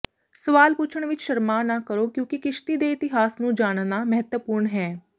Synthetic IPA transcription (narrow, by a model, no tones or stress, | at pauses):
səʋaːlpʊt͡ʃʰəɳʋɪt͡ʃʃəɾmaːnãːkəɾoːkjõːkikɪʃt̪iːd̪eːɪt̪ɪɦaːsnũːd͡ʒaːɽ̃naːmɛɦət̪wəpʊɾɳɦɛː